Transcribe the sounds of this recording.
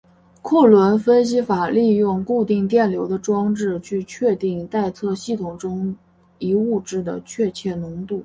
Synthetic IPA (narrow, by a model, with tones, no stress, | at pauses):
kʰu˥˩lwə˧˥nfə˥nɕ̬i˧˥fa˨˩li˥˧jʊ˥˧ŋku˥˧t̪i˥˧ŋt̪jɛ˥˩nljo˧˥ʊd̪ə˧ʈ͡ʂwɑ˥ŋʈ͡ʂɻ̩˥˧t͡ɕʰy˥˧t͡ɕʰɥɛ˥˧t̪i˥˧ŋt̪a˥˧ɪt͡sʰɤ˥˧ɕi˥˩t̪ʰʊ˨˩ŋʈ͡ʂʊ˥ŋ | i˧˥u˥˧ʈ͡ʂɻ̩˥˩d̪ə̰˩t͡ɕʰɥɛ˥˧t͡ɕʰjɛ˥˩nʊ˧˥ŋt̪u˥˩